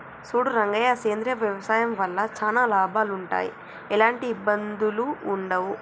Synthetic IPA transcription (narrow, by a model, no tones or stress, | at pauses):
suːɽuɾɐŋɡɐjaseːnd̪ɾijɐʋjɐʋɐsaːjɐmʋɐlːɐt͡ʃaːnaːlaːbʱaːluɳʈa̰ːjḭ | ɛlaːɳʈiːbːɐnd̪uluːɳɖɐʋu